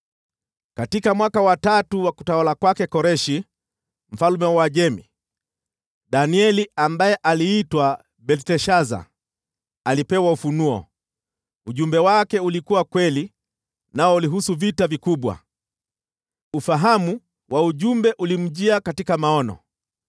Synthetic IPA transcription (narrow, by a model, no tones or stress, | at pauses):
katikamwakawatatuwaku̥tawalakwakɛkɔɾɛʃi | m̩falumɛwaʄɛmḭ | ɗaniɛliambajɛʔaliːtwa | ɓɛltɛʃaza̰ | alipɛwaufunuɔ̰ | uʄumbɛwakɛulikuwakwɛli | naɔuliɦusuvitavikuɓwa̰ | ufaɦamu | wʔauʄumbɛʔulim̩ʄiakatikamaɔnɔ̰